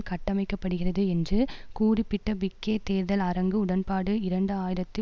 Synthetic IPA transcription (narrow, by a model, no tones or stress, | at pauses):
kɐʈːɐmɐɪkːɐpːɐɽɯɣɪrɐðɯɛndrɯkuːrɪpːɪʈːɐbɪkːeːt̪eːɾðɐlɐɾɐŋɡɯʊɽɐnpaːɽɯɪɾɐɳɖɯaːjɪɾɐt̪ːɯ